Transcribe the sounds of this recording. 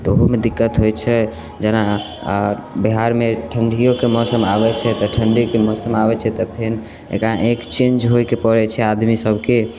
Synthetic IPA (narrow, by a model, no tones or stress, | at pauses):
t̪ɔoɦomed̪ikːət̪ɦojt͡ʃʰɛ | d͡ʒɛna | biɦaɾmeʈʰəɳɖʱijokemɔsəmabɛt͡ʃʰɛt̪ɔʈʰəɳɖiokemɔsəmabɛt͡ʃʰɛt̪ɔpʰen | ḛkɾãʔekt͡ʃẽnd͡ʒɦojkepəɾɛt͡ʃʰɛad̪misəbʱke